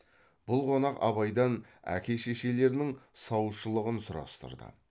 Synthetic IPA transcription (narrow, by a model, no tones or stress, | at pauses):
b̥ʊlˠqʰo̞nɑqɑ̰βɑjd̪ɑnæ̰kʲe̞ʃeʃe̞le̞ɾnɪŋsɑwəʃəlˠəʁənsʊɾɑ̰st̪ə̰ɾd̪ə̰